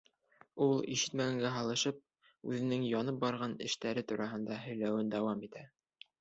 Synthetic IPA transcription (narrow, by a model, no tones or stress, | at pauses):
ulˠḭʃɘ̥̆t̪mæɡæŋɡæɦɑlˠɤ̆ʃɤp̚ | ʉðɘ̆nɘŋjɒnɤp̚bɑɾʁɑnɘ̆ʃt̪æɾɘt̪uɾɑɦɤ̆nd̪ɑɦɵ̆jlæwɘnd̪æwɑmit̪æ